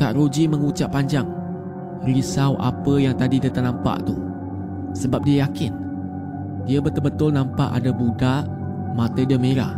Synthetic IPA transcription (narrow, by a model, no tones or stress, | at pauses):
kaʔɾod͡ʒimə̃ŋut͡ʃaʔpːaɲd͡ʒaŋ | risawʔa̰pəjaŋt̪adidət̪əʔnampa̰ʔt̪u | səbap̚diəjakɪn | diəbət̪ʊlbət̪ʊlnãmpa̰ʔa̰dabudaʔ | mãt̪ədəmeɾa̰